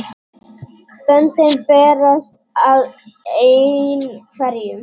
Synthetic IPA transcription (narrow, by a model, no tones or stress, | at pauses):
pœnt̪ɪnpɛːɾast̪̚ | aðenfaɾjʏm